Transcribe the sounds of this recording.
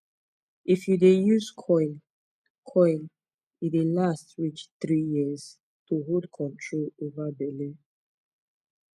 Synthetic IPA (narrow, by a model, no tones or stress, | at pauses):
ʔifjudejuzkʰɔ̃ɪ̃n | kʰɔ̃ɪ̃n | idelastɹit͡ʃθɹijiəz̥ | tuɦodkʰɔ̃ntʰɹolovabɛle